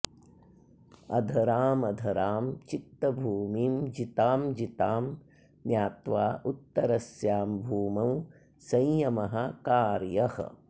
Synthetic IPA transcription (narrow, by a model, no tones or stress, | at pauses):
ɐd̪ʱɐɾaːmɐd̪ʱɐɾaːmt͡ʃit̪ːɐbʱuːmiːmd͡ʒit̪aːmd͡ʒit̪aːm | njaːt̪ʋaːʔut̪ːɐɾɐsjaːmbʱuːmɐw | sɐ̃jjɐmɐɦɐ̆kaːɾjɐhɐ̰